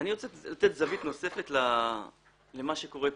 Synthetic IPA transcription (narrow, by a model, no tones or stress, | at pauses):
niʁot͡selat̪et̪zavit̪no̞se̞fe̞t̪la | le̞maʃeko̞ʁep